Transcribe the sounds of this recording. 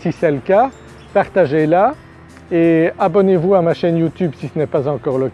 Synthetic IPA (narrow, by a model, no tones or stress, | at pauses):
sisɛləka | paʁt̪aʒela | eabɔnevuamaʃɛnjut̪ybsisənɛpazɑ̃kɔʁlək